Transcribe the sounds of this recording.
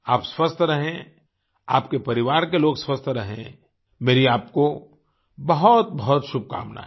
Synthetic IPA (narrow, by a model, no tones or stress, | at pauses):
aːpswɐst̪ʰɾɐɦẽ | aːpkepɐɾɪʋaːɾkeloːɡswɐst̪ʰɾɐɦḛ̃ | meːɾiaːp̚ko | bɐɦɔt̪̚bɐɦʊt̪ʃʊb̚ʱka̰ːmna̰ɛ